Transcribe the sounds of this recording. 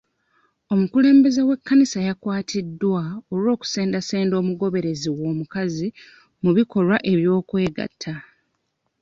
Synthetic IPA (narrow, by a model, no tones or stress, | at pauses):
o̞mukule̞ːmbe̞ze̞we̞kːanisajakwaːtʰidːwaoɾo̞ːku̥seːndaseːndo̞ːmuɡo̞βe̞ɾe̞ziwo̞ːmukazi | muβiko̞lwaʔe̞βjo̞ːkwe̞ːɡa̰tʰːa